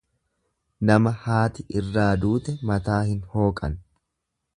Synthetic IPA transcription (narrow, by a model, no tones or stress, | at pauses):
nɐmɐhaːt̪ɪʔɪrːaːd̪uːt̪ɛmɐt̪aːhɪnho̞ːkʼɐ̰n